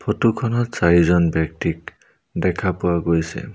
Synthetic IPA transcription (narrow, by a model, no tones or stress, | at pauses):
pʰotukʰɔnɔtsaɦizɔnbɛk̚ʈik̚ | dɛkʰapʊwaɡojsɛ̰